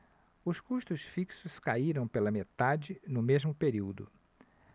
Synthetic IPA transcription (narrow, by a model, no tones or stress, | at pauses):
ʊskuʃt̪ʊsfiksʊskaiɾɐ̃w̃pelɐmet̪ad͡ʒɪnʊmezmʊpeɾiwd̪ʊ̰